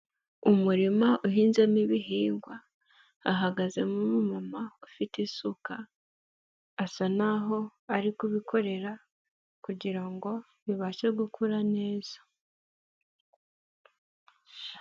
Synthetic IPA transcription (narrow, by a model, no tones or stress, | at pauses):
umuɾimaʔuɦiːnzemiβiɦiːŋɡwaː | ɦaɡaze̞mumumamaufitisuka | sanaɦo̞aɾikuβikʰo̞ɾe̞ɾa | kuɟiɾaŋɡo̞ | βiβaːʃeɡukʰuɾane̞ːz̥ḁ